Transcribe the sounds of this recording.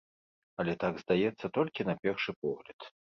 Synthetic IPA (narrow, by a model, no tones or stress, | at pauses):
ɐlʲɛt̪aɡzd̪ajɛt̪sːɐt̪ɔlʲkʲinɐpʲɛrʂɨpɔɣlʲɐt̪